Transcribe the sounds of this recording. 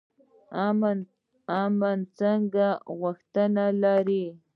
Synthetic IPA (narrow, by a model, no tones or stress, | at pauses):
amn | amant͡saŋɡaɣaxt̪analaɾi